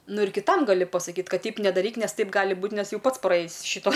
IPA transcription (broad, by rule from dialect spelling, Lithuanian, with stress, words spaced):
ˈnʊ ɪr kʲɪˈtɐm ɡɐˈlʲɪ pɐsɐˈkʲiːt ˈkɐt ˈtʲɛɪp nʲɛdɐˈrʲiːk ˈnʲɛs ˈtɐɪp ˈɡɑːlʲɪ ˈbuːt ˈnʲɛs ˈjɛʊ ˈpɐts prɐˈeːjɪs ˈʃʲɪtoː